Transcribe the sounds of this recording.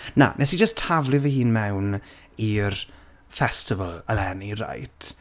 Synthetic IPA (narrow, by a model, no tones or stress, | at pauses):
na̰nʔɛsid͡ʒəstʰavlˠɨvəhɨːnmɛwn | ir | fɛstɪvəlˠəlɛnira̰jtʰ